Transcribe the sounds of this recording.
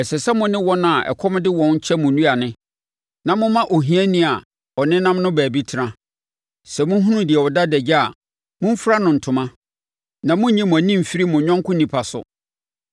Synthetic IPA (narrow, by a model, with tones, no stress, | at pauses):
ɛ˨sɛ˨sɛ˦mʊ̃˨nɪ̃˦wɔ˦ñ˦a˨ʔɛ̰˨kʰɔ˦m˦dɪ˦wɔ̃˨n̩˦t͡ɕʰɛ˦mʊ̃˨nũ˦a˨nɪ̃˦ | nã˨mʊ̃˦mã˦ʔo˨ɦĩ˦ɛ˦nĩ˦a˨ | ɔ˨nɪ̃˦nã˦m˦nʊ̃˦bæː˨bi˦tʰɪ˨ɾã˦ | sɛ˨mʊ̃˦ɦũ˦nũ˦dɪ˨ɛ˨wɔ˨da˦dɛ˨d͡ʑa˦a˨ | mʊ̃˦m̩˦fɾa˦nʊ̃˨n̩˨tʰʊ̃˨mã˦ | nã˨mʊ̃˦ɲĩ˦mʊ̃˨æ˨nĩ˦m̩˨fi˦ɾi˦mʊ̃˨ɲᶣɔ̃˦ŋkʰʊ̃˦nĩ˨pʰa˨sʊ̰˨